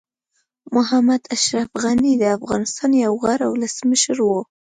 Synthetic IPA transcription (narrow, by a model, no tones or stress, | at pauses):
mʊɦamad̪aʃɾafɣanid̪əafɣɑ̰nɪst̪ɑnjawɣaɾawləsməʃəɾwo